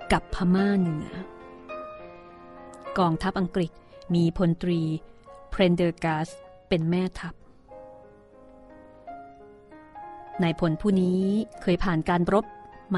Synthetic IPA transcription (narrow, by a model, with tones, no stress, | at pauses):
ka˨˩pʰːa˧maː˥˩nɯ˩˦ɐ | kɔː˧ŋt̪ʰa˦˥p̚ʔa˧ŋkɾi˨˩t̪̚miː˧pʰo˧nt̪ɾiː˧pʰɾe˧ndɤː˧kaː˦˥s | pe˧nmɛː˥˩t̪ʰa˦˥p̚ | na˧jpʰo˩˦npʰuː˥˩niː˦˥kʰɤː˧jpʰaː˨˩nkaː˧nɾo˦˥p̚ma